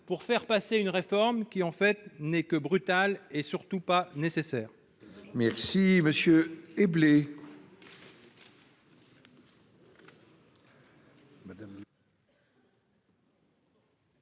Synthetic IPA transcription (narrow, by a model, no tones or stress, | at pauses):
puʁfɛʁpaseynʁefɔʁmkʲiɑ̃fɛt̪nɛkəbʁyt̪alesyʁt̪upanesesɛːʁ | mɛʁsiməsjøeble